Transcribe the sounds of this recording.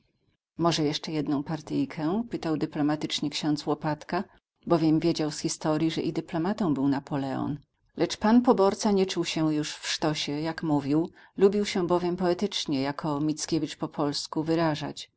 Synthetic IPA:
mɔʐɛjɛʂt͡ʂɛjɛd̪nɔ̃w̃paɾt̪ɘjkʰɛ̃pɘt̪awd̪ɘplɔmat̪ɘt͡ʂɲɛkɕɔ̃nt̪zwɔpat̪ka | bɔvʲjɛmvʲjed͡ʑawsxʲist̪ɔɾʲjiʐɛʔid̪ɘplɔmat̪ɔ̃w̃bɘwnapɔlɛɔ̰n | lʔɛt͡ʂpanpɔbɔɾt̪saɲɛt͡ʂuwɕɛjuʂfʂt̪ɔɕɛjakmuvʲiw | lubʲiwɕɛbɔvʲjɛmpɔɛt̪ɘt͡ʂɲɛjakʰɔmʲit̪skʲevʲit͡ʂpɔpʰɔlskuvɘɾaʐa̰t͡ɕ

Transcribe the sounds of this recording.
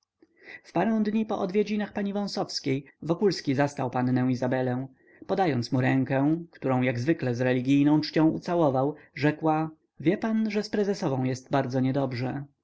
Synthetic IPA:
fpaɾɛ̃w̃d̪ɲipɔʔɔd̪vʲjed͡ʑinaxpaɲivɔ̃w̃sɔfskʲejvɔkulskʲizast̪awpanːɛ̃w̃izabɛlɛ̃ | pɔd̪ajɔnt̪smuɾɛŋkɛkt̪uɾɔ̃w̃jaɡzvɘklɛzɾɛlʲiɡʲijnɔ̃w̃t͡ʂt͡ɕɔ̃w̃ṵt̪sawɔvawʐɛkwa | vʲjɛpanʐɛspɾɛzɛsɔvɔ̃w̃jɛst̪baɾd̪zɔɲɛd̪ɔbʐɛ

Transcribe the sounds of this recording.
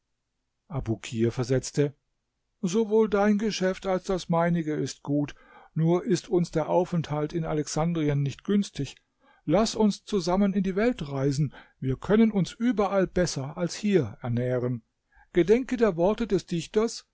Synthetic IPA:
ʔabukʰiːɐfɛɐzɛt͡stə | zovoːldaɪnɡəʃɛftalsd̥asmaɪnɪɡəɪst̚ɡ̥uːt | nuːɐʔɪstʰʊnsd̥eːɐʔaʊfɛnthaltɪna̰lɛksandʁiənːɪçtɡ̥ʏnstʰɪç | lasʊnst͡suzamənɪndiːvɛltʁaɪzn̩viːɐkʰœnənʊnsʔyːbɐʔalbɛsɐalshiːɐɛɐnɛːʁən | ɡ̥ədɛŋkədeːɐvɔɐtədɛsd̥ɪçtɐs

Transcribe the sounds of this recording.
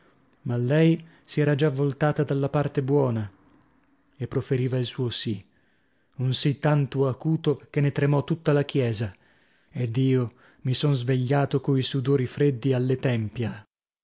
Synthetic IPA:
malːɛj | siɛːɾad͡ʒavːolt̪aːt̪ad̪alːapart̪ebwɔːna | epːɾofeɾiːvailsuːosi | unsit̪ːant̪uakuːt̪ok̟enːet̪ɾemɔt̪ːut̪ːalak̟jɛːza | ed̪iːo | misonzveʎːaːt̪okoisud̪oːɾifɾed̪ːialːet̪ɛmpja

